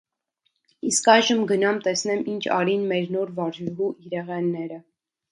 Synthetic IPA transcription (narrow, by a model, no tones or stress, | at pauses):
iskɑjʒəmɡənɑmt̪ɛsn̪ɛmint͡ʃʰɑ̰ɾinmɛɾnɔɾvɑɾʒɾɦuʔiɾɛʁɛnːɛɾə